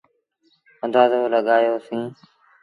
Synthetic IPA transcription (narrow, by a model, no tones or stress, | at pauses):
ə̃nd̪aːzoːləɠaːjoːsĩː